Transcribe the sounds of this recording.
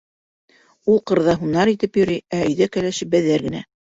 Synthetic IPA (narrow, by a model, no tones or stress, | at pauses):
ulˠqɤ̆ɾðɑɦunɑɾit̪ɘpjɵ̆ɾiæɵ̆jðækælæʃɘp̚bæðæɾɡɘ̆næ